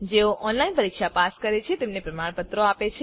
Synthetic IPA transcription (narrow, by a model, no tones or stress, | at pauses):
d͡ʒeoʔʔɔnlainpəɾikʃapaskəɾet͡ʃʰet̪emnepɾəmaɽpət̪ɾoapet͡ʃʰe